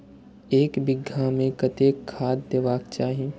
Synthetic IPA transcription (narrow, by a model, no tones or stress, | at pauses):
eːkbɪɡʱamẽkɐt̪eːkʰːaːd̪̚d̪eːʋaːkt͡ʃaːɦie